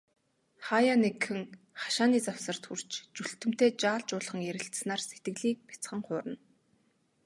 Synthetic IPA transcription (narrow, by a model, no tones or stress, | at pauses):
χajanekxɘ̆ŋ | χḁʃaːniːt͡sawsə̆r̥t̪xur̥t͡ɕt͡ɕuɬt̪ɘ̆m̥t̪eːt͡ɕaːɮt͡ɕʊːɮχə̆ŋjæɾʲɪ̆ɬt̪snaːrset̪ɡɘ̆ɮiːk̚pʲḁt͡sχə̆ŋχʊːɾə̆n